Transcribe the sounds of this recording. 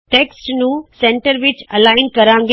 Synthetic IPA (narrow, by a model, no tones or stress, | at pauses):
ʈeːksʈnũsẽɳʈəɾʋɪt͡ʃɐlaɪnkəɾãŋɡ